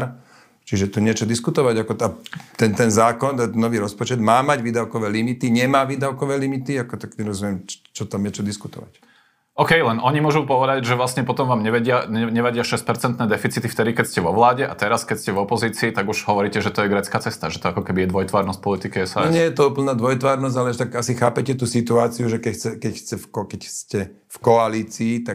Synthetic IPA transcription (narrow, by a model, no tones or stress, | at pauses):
ɾ | t͡ʃiʒɛt̪uɲɪɛt͡ʃɔd̪iskut̪ɔʋaɟakɔat̪ɛnt̪ɛnzaːkɔnt̪ɛnɔʋiːɾɔspɔt͡ʃɛd̪maːmaɟʋiːd̪aʊkɔʋɛːlimit̪iɲɛmaːʋiːd̪aʊkɔʋɛːlimit̪iakɔt̪akɲɛɾɔzumɪjɛmt͡ʃt͡ʃɔt̪amjɛt͡ʃɔd̪iskut̪ɔ̰ʋa̰c | ɔkɛjlɛnʔɔɲimʊɔʒupɔʋɛd̪aɟʒɛʋlasɲɛpɔt̪ɔmʋaːmɲɛʋɛɟɪaɛɲɛʋɛɟɪaʃɛsc̚pɛɾt͡sɛnt̪nɛːd̪ɛfit͡sit̪ift̪ɛd̪ikɛcscɛʋɔʋlaːɟɛʔa̰t̪ɛɾaskɛcscɛvɔpɔziːt͡siːt̪aɡuʒɦɔʋɔɾiːcɛʒɛt̪ɔjɛɡɾɛt͡skaːt͡sɛst̪aʒɛt̪ɔakɔkɛbijɛd̪ʋɔjt̪ʋaːɾnɔsc̚pɔlit̪ikiɛsaɲɪɛjɛt̪ɔuːpl̩naːd̪ʋɔjt̪ʋaːɾnɔz̬ɟalɛʃt̪aɡasixaːpɛcɛt̪uːsit̪uaːt͡siuʒɛkɛxt͡sɛkɛcxt͡sɛfkɔkɛcscɛ | fkɔaliːt͡siːt̪a